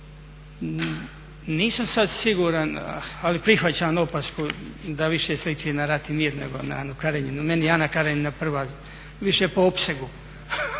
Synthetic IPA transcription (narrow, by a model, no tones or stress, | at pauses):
niːsamsad̪siɡuːɾanalipɾixʋat͡ɕaːnopaskud̪aʋiʃeslit͡ɕenaɾat̪imiːɾnḛɡona̰aːnukaɾeɲinumenianakaɾeɲinapr̩ʋaz | ʋiʃepoopseɡu